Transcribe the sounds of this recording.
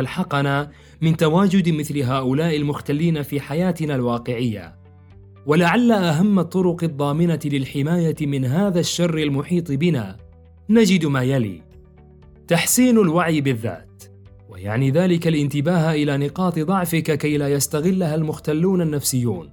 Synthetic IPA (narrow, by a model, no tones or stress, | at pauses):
alħɑqɑnaː | mɪnt̪awaːd͡ʒʊd̪mɪθlɦaːʔʊlaːʔɪlmʊxt̪alːiːnafiːħajaːt̪ɪnalwɑːqɪʕɪjːa̰ | walaʕalːaʔaɦamːat̪ˤːʊɾʊqɨd̪ˤːɑːmɪnalɪlħɪmaːjamɪnɦaːðaʃːɑrˤːɪlmʊħiːt̪ˤɨbɪna̰ː | nad͡ʒɪd̪maːjalḭː | t̪aħsiːnalwaʕiːbɪðːa̰ːt̪ | wa̰ja̰ʕniːðaːlɪkalʔɪnt̪ɪbaːɦaʔɪlaːnɪqɑːt̪ˤɨd̪ˤɑʕfɪkkajlaːjast̪aɣɪlːaɦalmʊxt̪alːuːnanːafsɪjːṵːn